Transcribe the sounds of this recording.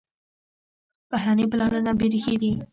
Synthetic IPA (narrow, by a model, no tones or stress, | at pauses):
b̥ahɾanəjplɑnunabeɾixed̪i